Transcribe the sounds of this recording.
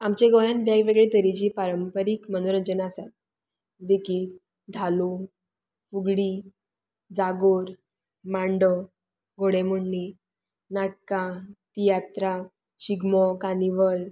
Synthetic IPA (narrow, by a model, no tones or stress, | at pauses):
amt͡ɕeɡɔjãnbjaɡʋeɡɭet̪əɾit͡ɕiːpaɾəmpəɾiːkmənoɾəd͡ʑənasat̪̚ | d̪ekiːt | d̪ʱalo | fuɡɽi | d͡zaɡoɾ | mãɳɖɔ | ɡʱoɽeməɳːi | naʈ̚kãt̪ijat̪ɾa | ɕiɡmɔkaniʋəl